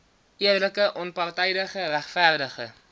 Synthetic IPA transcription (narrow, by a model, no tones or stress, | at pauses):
ʔiərləkəʔɔnpɑrtɛjdəχəræχfærdəχə̰